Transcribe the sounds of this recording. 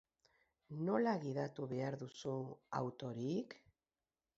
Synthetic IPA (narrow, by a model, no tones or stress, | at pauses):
no̞laɣiðat̪uβe̞aɾðusua̰wt̪o̞ɾik